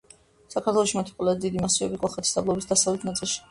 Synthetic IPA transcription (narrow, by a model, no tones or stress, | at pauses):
sakʰaɾt̪ʰwɛlˠɔʃimat̪ʰi̥qʼɛlɛdd̪id̪imasiɔbikʼɔχɛt̪ʰi̥sd̪ablˠɔɛbisd̪asavlɛt̪ʰnat̪sʼilˠʃi̥